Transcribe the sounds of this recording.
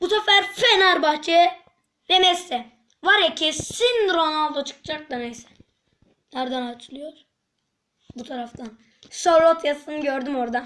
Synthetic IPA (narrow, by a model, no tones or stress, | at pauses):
busɛfæɾfɛnaɾbaxt͡ʃʰɛ | d̪emɛsːɛ | vaɾɛcʰɛsinɾonalˠd̪at͡ʃʰɯ̥k̚d͡ʒak̚d̪ˠanɛjsɛ̥ | naɾd̪anat͡ʃʰɯlˠɯjoɾ̥ | but̪ʰaɾaft̪ʰan | soɾlˠot̪ʰjasɯnɟøɾd̪ymoɾd̪a